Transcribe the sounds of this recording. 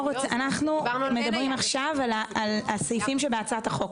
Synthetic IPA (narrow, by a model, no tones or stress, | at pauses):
ʁot͡sanaχnume̞d̪abʁimaχʃavalaːlasojfimʃebeat͡saat̪aχo̞k